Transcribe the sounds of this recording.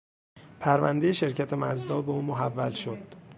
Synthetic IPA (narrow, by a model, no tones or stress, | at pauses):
pʰæɾvæ̰nd̪e̞jeʃe̞ɾcʰæt̪ʰemæ̰zd̪ɒːbeuːmoɦævːælʃod̪̥